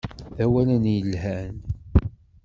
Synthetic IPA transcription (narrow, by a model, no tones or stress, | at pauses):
æwælænjəlhæn